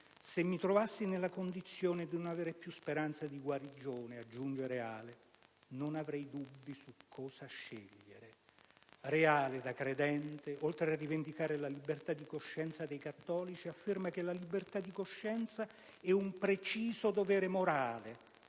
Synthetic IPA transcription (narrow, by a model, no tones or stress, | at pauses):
semːit̪ɾovasːinelːakond̪it̪sːjoːned̪inonaveːɾepjuspeɾant̪sad̪iɡwaɾid͡ʒoːnead͡ʒːund͡ʒeɾeaːle | nonavɾɛjd̪ubːisukʰːɔːsaʃːeʎːeɾe | reaːled̪akɾed̪ɛnt̪eʔolt̪ɾearːivend̪ikaːɾelalibert̪ad̪ikoʃːɛnt̪sad̪ejkat̪ːɔːlit͡ʃiafːermak̟elalibert̪ad̪ːikoʃːɛnt̪sa | ɛumpɾet͡ʃiːzod̪ovɛːɾemoɾaːle